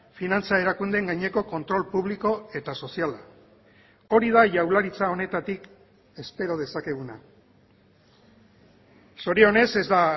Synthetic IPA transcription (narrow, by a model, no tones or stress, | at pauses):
finant͡sae̞ɾakund̪eŋɡajɲe̞ko̞ko̞nt̪ɾo̞lpuβ̞liko̞e̞t̪aso̞siala | o̞ɾiðaʝawlaɾit͡sao̞ne̞t̪at̪ik | e̞spe̞ɾo̞ð̞e̞sake̞ɣ̞una̰ | so̞ɾione̞se̞zd̪a